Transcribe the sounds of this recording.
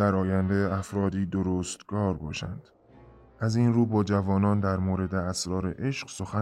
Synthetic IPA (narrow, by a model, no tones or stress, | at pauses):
æɾɒːjænd̪eæfɾɒːd̪iːd̪oɾoːst̪ɡɒːɾbɒːʃæ̰nd̪̥ | ʔæzinɾuːbɒːd͡ʒævɒːnɒːnd̪æɾmoːɾe̞d̪e̞æsɾɒːɾe̞̰ʔe̞ʃɢso̞xæ